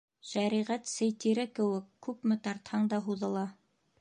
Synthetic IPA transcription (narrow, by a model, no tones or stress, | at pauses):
ʃæɾiʁæt̪sɘjt̪iɾɘkɘ̆wɘkːʉpmɘt̪ɑɾt̪hɑɴd̪ɑɦuðɤ̆lˠɑ